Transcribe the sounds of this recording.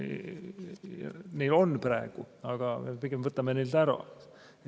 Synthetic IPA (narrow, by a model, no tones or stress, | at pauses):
nejlo̞nːprɑeɡ̥u | ɑɡ̥ɑmepiɡ̥emvɤt̪ːˑɑmenelt̪æɾɑ̰